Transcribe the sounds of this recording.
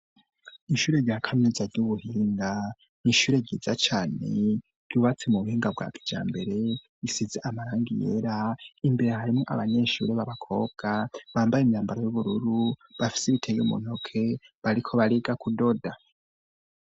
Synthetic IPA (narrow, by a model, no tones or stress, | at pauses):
iʃuːɾe̞ɾɟaːkʰaminizaɾɟuβuhiːŋɡa | niʃuːɾe̞ɟiːzat͡ʃaːne̞̰ | ɾ̥uβat͡semuβuhiːŋɡab̚ɡwa̰ːkʰi̥d͡ʒa̰ːmbe̞ɾe̞ | isizeʔamaɾaːŋɡije̞̰ɾaimbe̞ɾe̞haɾimŋo̞ʔa̰βaɲe̞ʃuɾeβaβakʰo̞bɡ̥aβaːmbajemɲaːmbaɾo̞juβuɾuɾuβafi̥seβitʰejumṵn̥okʰe̞ | βaɾikʰo̞βaɾiɡakudo̞da